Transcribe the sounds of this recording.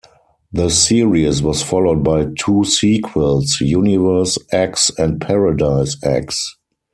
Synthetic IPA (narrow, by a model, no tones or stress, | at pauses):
ðəsiɹiswɔsfɔloʊd̚baɪtʰuːsiːkʰwəlsjunɪvɜ˞sæksɛ̃nt̚pʰɛɹadaɪsæ̰ks